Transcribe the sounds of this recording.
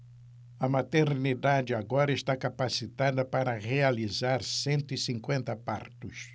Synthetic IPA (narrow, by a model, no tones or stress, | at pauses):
ɐmat̪eɾnid̪ad͡ʒɪaɡɔɾɐeʃt̪akapasit̪ad̪ɐpaɾɐʁealizaɾsẽnt̪ʊisĩŋkwẽnt̪ɐpa̰ɾt̪ʊs